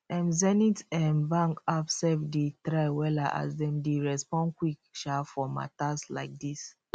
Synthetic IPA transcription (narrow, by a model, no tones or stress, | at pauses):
ɛ̃mzɛnitɛ̃nbãŋkapsɛvditɾaɪwɛlaʔa̰zdɛ̃mdeɹɛspɔ̃nkwikʃafɔma̰tasla̰ɪk̚dis